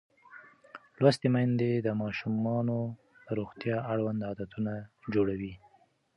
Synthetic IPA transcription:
lwast̪emajnd̪ed̪əmɑʃumɑno | d̪̥əɾoɣt̪jɑaɽwand̪ɑd̪at̪unad͡ʒoɽawi

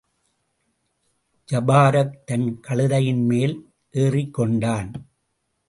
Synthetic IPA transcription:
d͡ʒɐbaːɾɐk̚t̪ɐnkɐɭɯðɐjɪnmeːl | ʔeːrɪkːɔɳɖaːn

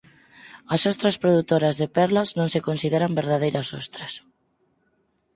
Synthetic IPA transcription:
ɐsost̪ɾɐspɾoðut̪oɾɐzðepɛɾlɐznõŋsekonsiðeɾambeɾðað̞ejɾɐsost̪ɾɐs

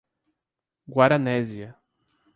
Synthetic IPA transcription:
ɡwaɾɐnɛziɐ

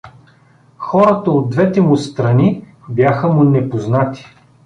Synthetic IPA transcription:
xɔɾət̪əod̪̚d̪vɛt̪ɛmʊst̪ɾɐni | bjaxəmʊnɛpoznat̪i̥

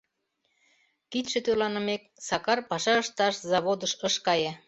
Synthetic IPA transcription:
kit̪ʃĕt̪ølɑnə̆mek̚sɑkɑrpɑʃɑəʃt̪ɑʃzɑβod̪əʃəʃkɑje

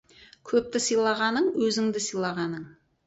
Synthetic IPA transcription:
kʲʰɵp̚t̪ɪsəjlˠɑʁɑnəɴwɵzɪŋd̪ɪsəjlˠɑʁɑnəɴ

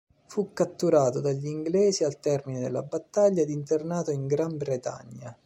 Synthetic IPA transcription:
fukːat̪ːuɾaːt̪od̪aʎːiŋɡlɛːzialt̪ɛrmined̪ɪlːa̰bat̪ːaʎːad̪int̪ernaːt̪oiŋɡɾambɾet̪a̰ɲːa

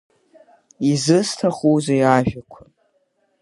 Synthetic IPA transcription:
izɨstʰaχuzajaʒᶣakʷʰʊn

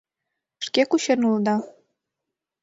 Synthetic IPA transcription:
ʃkekuɕenuld̪ɑ

